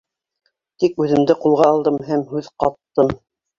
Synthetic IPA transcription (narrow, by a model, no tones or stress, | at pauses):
t̪ikʉðɘ̆md̪ɘqulˠʁɑːlˠd̪ɤmɦæmɦʉðqɑt̪ːɤm